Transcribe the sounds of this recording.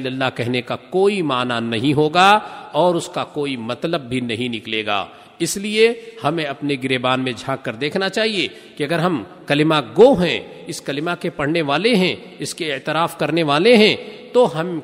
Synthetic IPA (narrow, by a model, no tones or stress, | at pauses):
lɐlːakɛɦnekakoːimaːnanɐɦĩɦoːɡaɔːɾʊskakoːimɐt̪ləb̚ːʱinɐɦĩnɪkleːɡa̰ː | ɪsliehɐmẽɐpneɡɪɾeːbaːnmẽd͡ʒʱaːkːəɾd̪eːkʰnat͡ʃaːɦie | kiɐɡəɾɦɐm | kɐlɪmaɡoɦɛ̰̃ɪskɐlɪmakepɐɽ̤neʋaːleɦɛ̃ | ɪskeɪt̪ɪɾaːfkɐɾneʋaːleɦɛ̃t̪oɦɐm